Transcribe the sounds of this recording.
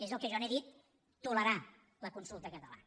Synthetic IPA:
ezəlˠkeʒɔneðit̪̚ː | uləɾa | ləkunsulˠt̪əkət̪əla̰

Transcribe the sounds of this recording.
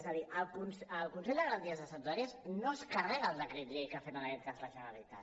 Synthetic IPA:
zəðiʔəlˠkunsəlˠkunsɛʎd̪əɣəɾənt̪iəzəsənzaɾiəznoəskərɛɣəlˠd̪əkɾet̪ʎejkəfɛmənakɛt̪̚kazləʒənəlit̪a̰t̪

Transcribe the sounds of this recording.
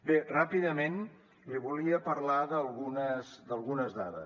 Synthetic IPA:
berapiðəmen | liβuliəpəɾlaðəlˠɣunəzd̪əlˠɣunəzða̰ðə̰s

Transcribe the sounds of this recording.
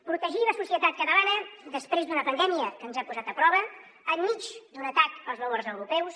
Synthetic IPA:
pɾut̪əʒiləsusiət̪at̪̚kət̪əlanəd̪əspɾezd̪unəpənd̪ɛmiəkənzapuzat̪əpɾɔβ̞əː | mmit͡ʃd̪unət̪akpəlˠzβəloɾzəwɾupɛws

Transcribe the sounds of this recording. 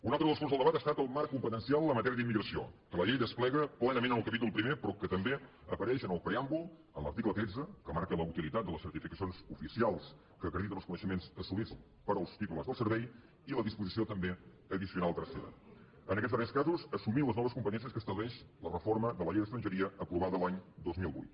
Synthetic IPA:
unalˠt̪ɾəðəskorzðəlˠdəβat̪əst̪at̪əlˠmaɾkːumpət̪ənsialˠləmət̪ɛɾiəðimːiɣɾəsio̰kələʎejðəsplɛɣəplɛnəmẽnənəlˠkəpit̪ulˠpɾimepɾɔkət̪əmbe | əpəɾɛʃənəlˠpɾeambulˠ | ənlə̰ɾt̪iklət̪ɾed͡zəkəmaɾkələut̪ilit̪at̪d̪ələsəɾt̪ifikəsijonzufisialˠs | kəkɾəðit̪ənəlskunəʃəmenszəsuβis | pəɾəlˠst̪it̪uləzðəlˠsəɾβɛj | iləðispuzisiot̪əmbe | əðisiunalˠt̪ɾəsiða̰ | ənəkɛtzβəɾɛskazuzəsumiləznɔβəskumpət̪ɛnsiəskəst̪əβlɛʃlərəforməðələʎejðəst̪ɾənʒəɾiəəpɾuβaðəlaɲd̪ozmilˠβṵjt̪

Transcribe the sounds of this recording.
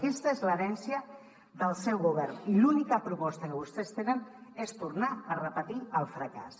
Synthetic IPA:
ist̪aezləɾɛnsjə | ðəlˠsɛwɣuβ̞ɛɾnilunikəpɾupɔst̪akəβust̪est̪enənest̪uɾnaərəpət̪iəlˠfɾəka̰s

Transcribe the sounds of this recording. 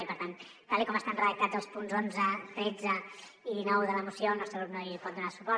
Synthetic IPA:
ipəɾt̪an | t̪alikɔməst̪anrəðək̚t̪ad͡zzəlˠspunzonzət̪ɾɛd͡zə | iðinɔwðələmusjoəlˠnɔst̪ɾəlut̪noipɔt̪̚d̪unasu̥pɔ

